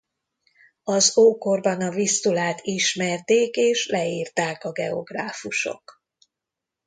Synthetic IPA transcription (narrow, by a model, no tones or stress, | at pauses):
ɒzoːko̞rbɒnɒvist̪ulaːt̪iʃmɛrt̪eːkeːʃlɛiːrt̪aːkɒɡɛo̞ɡraːfuʃo̞̰k